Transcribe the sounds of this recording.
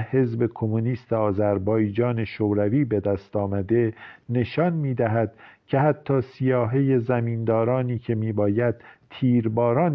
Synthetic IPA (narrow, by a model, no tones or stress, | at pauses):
he̞zbe̞kʰo̞muniːst̪ʰeɒːzæɾbɒːjd͡ʒɒːne̞ʃoːɾæviːbe̞d̪æst̪ɒːmæd̪e̞ne̞ʃɒnmiːd̪æɦæd̪̥cʰe̞hæt̪ʰːɒːsijɒːɦe̞je̞zæmiːnd̪ɒːɾɒːniːcʰe̞miːbɒːjæd̪̥̚t̪ʰiːɾbɒːɾɒːn